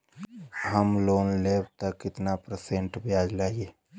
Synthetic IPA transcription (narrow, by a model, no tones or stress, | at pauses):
həmloːnleːbt̪əkːɪt̪napɾəseɳʈbjaːd͡ʒlae